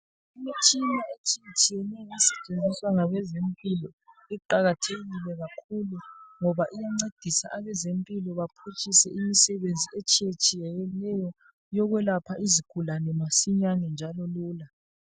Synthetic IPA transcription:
imit͡ʃʼinaet͡ʃʼijet͡ʃʼijɛnɛɣɛsɛ̥t͡ʃʼend͡zʱiswaŋaβɛzempʼilɔ | ɛǃaɣatʰeɣilɛɣakʰuluŋɔβaʔijaŋ͡ǀed̥ʱisa̰ʔaβɛzempʼilɔβapʰut͡ʃʼisɛ̰ʔimisɛβend͡zʱiet͡ʃʼijet͡ʃʼijɛɣɛlɛjɔ | jɔɣwɛlapʰaʔiziɡ̥ʱulanɛmasiɲaŋɛnd͡ʒʱalɔluːla

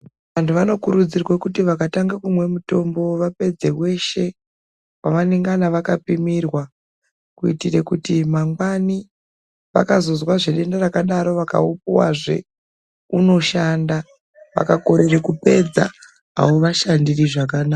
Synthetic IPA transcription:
ʋantʰuʋano̞kuɾud͡zirwekutiʋakataŋɡakumwe̞muto̞mbo̞ʋape̞d͡zewe̞ʃe̞ | waʋaneŋɡanaʋakapimirwa | kuitirekutimaŋɡwani | ʋa̰kazo̞zwaʐeɗe̞ndarakaɗaɾo̞ʋaka̰upuwa̰ʐe̞̰ | uno̞ʃanda | ʋa̰kako̞ɾerekupe̞d͡za̰ | ɦa̰woʋaʃandiriʐakanaːa

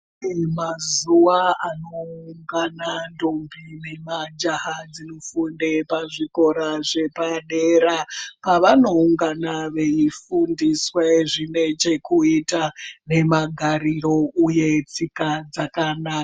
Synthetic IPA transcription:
mazuwaano̞uŋɡanandombʱine̞mad͡ʒaɦad͡zinofundepaʐiko̞ɾaʐe̞paɗeɾapaʋano̞uŋɡanaʋe̞ifundisweʐine̞t͡ʃe̞kuitane̞maɡʱaɾiɾo̞uje̞t͡sikad͡zakanaːka

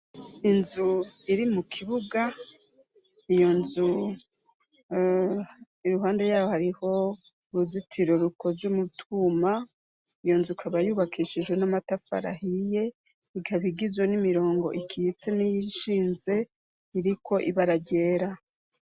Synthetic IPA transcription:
inzuiɾimukʰiβuɡa | ijo̞nzu | iɾuɦaːnde̞jaːwohaɾiho̞ | ɾuzitʰiɾo̞ɾukʰo̞ɾzumutʰuːma | ijo̞nzukʰaβajuːβakʰiʃid͡ʒwe̞namatafa̰ɾa̰hije̞ | iɡaβiɡizwenimiɾo̞ːŋɡo̞̰ʔikʰijit͡se̞nijiʃiːnze̞ | iɾikʰo̞ʔiβaɾaɟe̞ːɾa

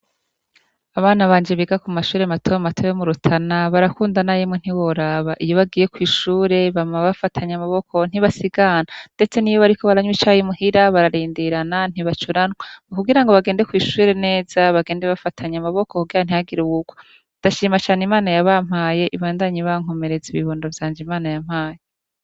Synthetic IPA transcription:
aβaːnaβaːɲd͡ʒeβiɡakumaʃuːɾematʰojamatʰojomuɾutʰanaβaɾakuːndanajemŋen̥iwo̞ɾaβaʔijo̞βaɡiːje̞kwiːʃuːɾe̞βamaβafatʰaɲamaβokʰo̞n̥iβasiɡanande̞t͡se̞nijoβaɾiko̞βaɾaɲwit͡ʃaːjimuhiɾaβaɾaɾiːndiɾanan̥iβat͡ʃuɾanwakuɡiɾaŋɡoβaɡe̞ːndekwiːʃuːɾe̞ne̞ːzaβaɡe̞ːndeβafatʰaɲamaβo̞kokuɡiɾan̥ihaɡiɾuwuɡ̥o | d̥aʃiːmat͡ʃaːnimaːnajaβam̥haːje̞ʔiβaːndaɲiβaŋ̥o̞me̞ɾeziβiβoniɾovjaːnd͡ʒimaːnajam̥haːje

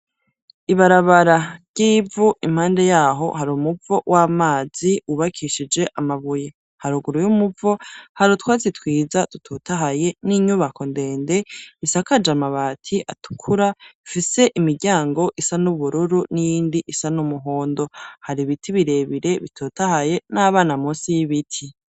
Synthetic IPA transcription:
iβaɾaβaɾaɾɟ̥iːvuʔim̥haːnde̞jaːɦo̞̰haɾumuvo̞wʔaːmaːz̥iuβakʰiʃid͡ʒe̞ʔamaβuje̞ | haɾuɡuɾujumuvo̞haɾutwaːzitwiːzatu̥tʰotaɦaje̞niɲuβako̞nde̞ːnde̞isakad͡ʒamaβaːtʰiʔa̰tu̥kʰuɾafise̞ʔimiɡɟaːŋɡo̞ʔisanuβuɾuɾunijiːndiʔisanumuɦoːndo̞haɾiβitʰiβiɾe̞ːβiɾe̞βitʰoːtahaje̞naːβaːnamuːsijiβitʰi

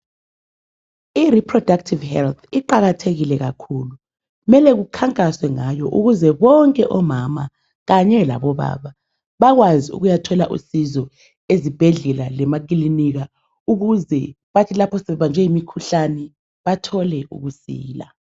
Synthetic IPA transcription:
iripʰrɔd̥ak̚tʰivhɛlt̪ʰiǃaɣatʰeɣilɛɣakʰulu | umɛlɛɣukʰaŋkʼaswɛŋajɔʔuɣuzɛβɔŋkʼɛʔɔmama | ɣaɲɛla̰βɔβa̰ːβa | βaɣwaziṵɣujatʰɔlaʔṵsizɔ | ezib̥ʱɛɮɛlalɛmak̬ʼiliniɣa | uɣuzɛ | βatʰilapʰɔsɛɛβand͡ʒʱɛjimikʰuɬanɛ | βatʰɔlɛṵɣusḭːla̰

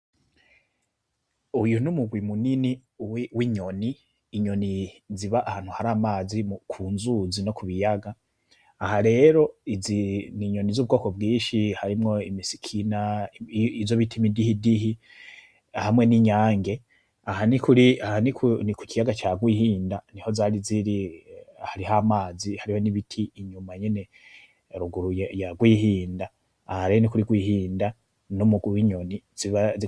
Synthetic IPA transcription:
ujunumuɡwimuniniwwiɲo̞niː | ɲo̞niziβaʔahaːn̥huhaɾaːmaːzimukʰuːnzuzino̞kuβijaɡaː | haɾe̞ɾo̞iziniɲo̞nizuβuɡo̞ːko̞bɡiːnʃihaɾimŋo̞imisi̥kʰina | izoβitʰimidihidiɦi | hamŋe̞niɲaːŋɡe̞ | ahanikuɾiahanikʰuniku̥cijaɡat͡ʃaɡwiːhiːndaniho̞zaːɾiziɾihaɾiɦamaːzihaɾiho̞niβitʰiːɲumaɲene̞ | ɾuɡuɾujaɡwiːhiːndaː | haɾinikuɾiɡwiːhiːnda | nomuɡiɲo̞niziβaz

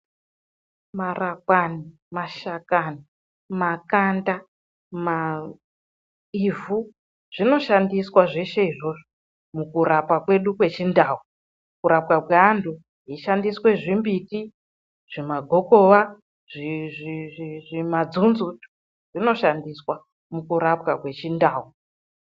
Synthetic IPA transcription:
marakwani | maʃakani | makanda | ma | ivu | ʐ̥ino̞ʃandiswaʐe̞ʃe̞iʐo̞ʐo | mukuɾapakwe̞ɗukwe̞t͡ʃindaːwu | kuɾapwapkweandʱu | ɦiʃandiswe̞ʐimbiti | ʐ̥imaɡʱo̞ko̞ʋa | ʐiʐiʐimad͡zunzutu̥ | ʐino̞ʃandiswa | mukuɾapwakwe̞t͡ʃindaːɦu

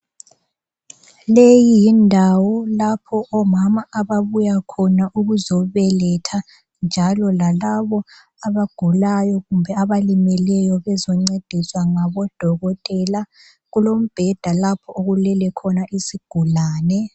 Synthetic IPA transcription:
lejijindʱawɔlapʰɔʔɔmamaʔaβaβujakʰɔnaʔuɣuzɔβɛlɛtʰa | nd͡ʒʱalɔlalaβɔ | aβaɡ̥ʱulajɔɣumbʱɛaβalimɛlɛjɔβɛzɔŋ͡ǀed̥ʱiswaŋaβɔd̥ʱɔɣɔtʼɛla | ɣulom̩b̥ʱɛd̥ʱalapʰɔʔoɣulɛlɛkʰɔnaʔisiɡ̥ʱulaːnɛ

